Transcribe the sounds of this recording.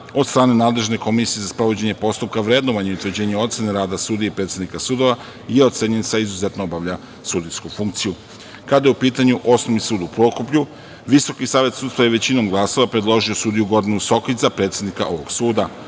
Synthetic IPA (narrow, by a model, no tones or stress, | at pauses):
o̞dt̪st̪ɾaːne̞naːd̪le̞ʒne̞ko̞misijezaspɾoʋo̞d͡ʑe̞ɲe̞po̞st̪up̚kaʋɾed̪noʋaɲeiut̪ʋəɾd͡ʑe̞ːɲeo̞t̪se̞neɾaːd̪asuːd̪ieipɾe̞ːt̪sʲed̪nikasuːd̪o̞ʋa | je̞ot̪se̞ɲensaizuze̞t̪noobaʋʎa | sud̪iskufuŋk̚t̪siju | kad̪ajeupiːt̪aɲuʔo̞snoʋnisuːd̪upɾo̞kupʎu | ʋiso̞kisaːʋje̞t̪sudt̪st̪ʋajeʋe̞t͡ɕino̞mɡlˠaso̞ʋapɾed̪lˠo̞ʒio̞suːd̪ijuɡo̞d̪inuso̞kizapɾe̞ːt̪sʲe̞d̪nika̰ʔo̞ʋo̞̰ɡ̥suːd̪a